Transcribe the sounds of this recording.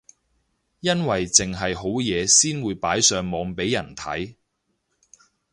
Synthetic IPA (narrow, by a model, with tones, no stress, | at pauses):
jɐ˥nwɐ˨jt͡sɪ˨ŋɦɐ˨jɦo˨˥wjɛː˨˧siː˥nwuː˨˧jpaː˨˥jsœː˨ŋmɔː˨˧ŋpe˨˥jːɐ˨˩nt̪ʰɐ̰˨˥j